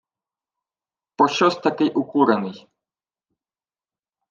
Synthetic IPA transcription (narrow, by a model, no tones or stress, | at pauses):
pɔɕɔst̪akɛjʔukuɾanɨj